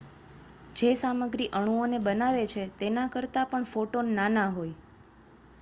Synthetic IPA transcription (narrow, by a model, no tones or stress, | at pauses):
d͡ʒesaməɡɾiʔəɳ̃uonebənaʋet͡ʃʰet̪enakəɾt̪apəɳfoʈonːanaɦoj